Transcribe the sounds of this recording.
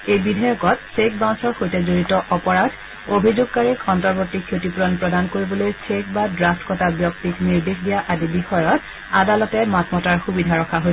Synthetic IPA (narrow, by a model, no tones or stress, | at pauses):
ejbidʱajɔkɔtsek̚bãw̃sɔɹxojtɛzoɹitɔʔɔpɔɹadʰʱ | obʱizuɡ̚kaɹikɔntɔɹbotːikʰjotipuɹɔnpɹɔdankoɹibɔlojsʰekbadɹastkɔtabjɔktikniɹdesdijaʔadibixɔjɔt̚ | adalɔtɛmatmɔtaɹxubidʱaɹɔkʰaɦojsɛ